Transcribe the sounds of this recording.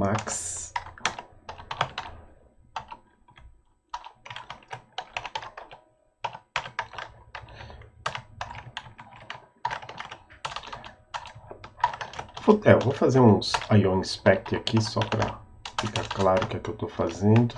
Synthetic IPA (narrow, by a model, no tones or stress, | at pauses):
maks | fut̪ɛwvowfazeɾũsajõnispɛk̚t̪ɪakisɔpɾɐ̰ | fikaɾklaɾʊkɪɛkɪewt̪owfazẽnd̪ʊ